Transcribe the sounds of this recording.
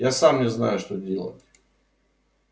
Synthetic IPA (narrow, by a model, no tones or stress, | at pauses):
jasamnʲɪzna̰jʊʂt̪odʲelˠə̰tʲ